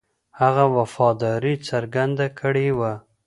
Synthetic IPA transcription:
haɣawafɑd̪ɑɾit͡saɾɡand̪akʰəɽewa

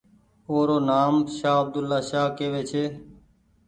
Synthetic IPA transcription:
oːɾoːnaːmʃaːəb̚d̪ʊlːaːʃaːkeːʋeːt͡ʃʰeː

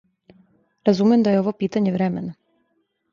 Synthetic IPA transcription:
ɾazumemd̪ajeo̞ʋopiːt̪aɲeʋɾɛmena

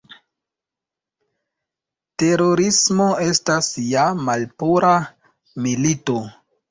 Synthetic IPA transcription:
te̞ɾo̞ɾismo̞e̞stasjamalpuɾa | milito̞

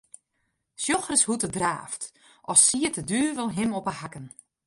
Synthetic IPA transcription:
sjoxrəshutədra̰ːft | ʔɔsːiətədyːʋəlˠɦɪmɔpəhakən

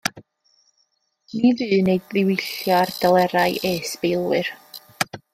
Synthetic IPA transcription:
nivɨːneɨdðɪwɪɬjɔrd̥alˠɛɾajʔeːsbelˠwɨr

